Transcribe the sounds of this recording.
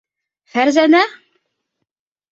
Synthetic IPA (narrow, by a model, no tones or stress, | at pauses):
hæɾzænæ